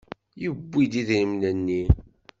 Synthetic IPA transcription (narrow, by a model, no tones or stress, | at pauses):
jəbːid̪iðɾimnənːi